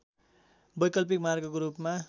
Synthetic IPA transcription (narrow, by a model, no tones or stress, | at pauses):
bʌjkʌlp̬ikmarɡʌkoɾupma